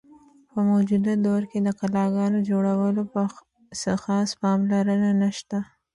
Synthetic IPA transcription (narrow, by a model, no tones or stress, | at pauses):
pəmod͡ʒud̪ad̪oɾked̪əkalɑɡɑnod͡ʒoɽawəlopə | səxɑspɑmlaɾənanaʃt̪a